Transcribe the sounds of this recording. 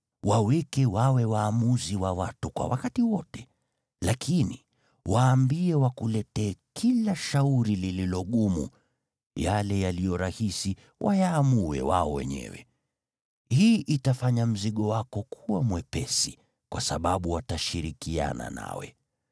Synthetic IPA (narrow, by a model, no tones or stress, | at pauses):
wawɛkɛwawɛwaːmuziwawatukwa̰wakatiwɔtɛ̥ | lakʰini | waːmbiɛwakulɛtɛːkʰilaʃauɾilililɔɠumṵ | jalɛjalijɔɾahisi | wʔajaːmuɛ̰waɔwɛ̰ɲɛ̰wɛ̰ | hiːʔitafaɲam̩ziɠɔwakɔkʰuwamwɛpɛsi | kwʔasaɓaɓuwataʃiɾikia̰na̰na̰wɛ̰